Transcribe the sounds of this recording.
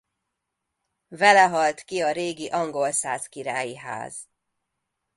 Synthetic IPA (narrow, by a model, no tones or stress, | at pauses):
vɛlɛɦɒlt̪kiɒɾeːɡiʔɒŋɡo̞lsaːzkiɾaːjiɦa̰ːz̥